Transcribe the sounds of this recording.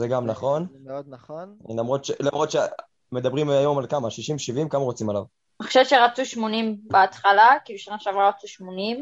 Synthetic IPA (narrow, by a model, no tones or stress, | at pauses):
zeɡamnaχo̞nmeod̪̚naχonlamʁo̞t̪ʃelamʁot̪ʃe | me̞d̪abʁimajo̞malkamaʃiʃimʃivimkamaʁo̞t͡simalav | eχo̥ʃevʃeʁat͡suʃmonimbeat̪χalakiluʃanaʃavʁaʁat͡suʃmonim